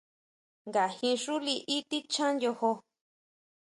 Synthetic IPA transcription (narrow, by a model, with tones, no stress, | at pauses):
ŋɡa˨hĩ˧ʂu˦li˧ʔi˦t̪i˦t͡ʃã˦njo˧ho˧